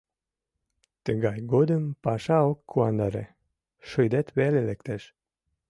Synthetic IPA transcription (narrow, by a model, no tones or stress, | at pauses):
t̪əɣɑjɡod̪əmpɑʃɑokːuɑnd̪ɑɾḛ | ʃojd̪et̪βelelekt̪eʃ